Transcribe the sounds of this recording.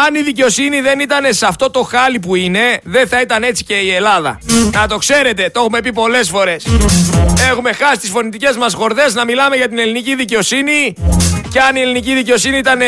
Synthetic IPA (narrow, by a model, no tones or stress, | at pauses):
ɐniðice̞o̞siniðe̞nit̪ɐne̞sɐft̪o̞t̪o̞xɐlip̬uine̞ðeθɐit̪ɐne̞t͡si̥ce̞ielɐðɐ̰nɐt̪o̞kse̞ɾe̞t̪e̞t̪oo̞xume̞pipo̞le̞sfo̞ɾe̞s | e̞xume̞xɐsi̥st̪isfo̞nit̪ice̞zmɐsxo̞ɾðe̞znɐmilɐme̞ʝɐt̪ine̞liniciðice̞o̞siniceɐnieliniciðice̞o̞siniit̪ɐne